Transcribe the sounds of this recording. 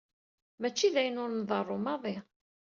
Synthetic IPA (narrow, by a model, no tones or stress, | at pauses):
mæt͡ʃːiðæjənʊɾnðˤɑrˤːʊmɑðˤi